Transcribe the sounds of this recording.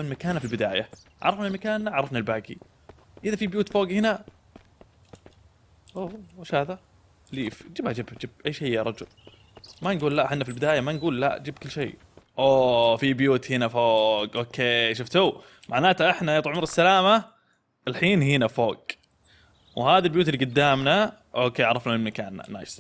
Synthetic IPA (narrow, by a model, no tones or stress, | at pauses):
ɪnmakaːnafilbɪd̪aːjaʕa̰ɾˤɑfnalmakaːnːaʕɾˤɑfnalbaːɡḭ | ʔɪðafibjuːt̪foːɡhɪna | ʔowaʃhaːða | liːfd͡ʒɪbhad͡ʒɪbd͡ʒɪb̚ʔajːʃejːaɾˤɑd͡ʒʊ̰l | manɡuːlːaʔħɪnːafilbɪd̪aːjamanɡuːlla̰ʔd͡ʒɪb̚kʊlːʃejː | ʔoːfibjuːt̪hɪnafoːɡʔoːkʰeːʃ̬ʊft̪u | mʔaʕnaːt̪aʔɪħnajɑt̪ˤʕmɪɾˤɪsːalaːma | ɪlħiːnhɪnafoːɡ̥ | whaːðalbjuːt̪ɪlːiːɡʊd̪ːaːmna | ʔoːkːeːʔaʕɾˤɑfnamɪlmakaːn̰ːa̰ːjs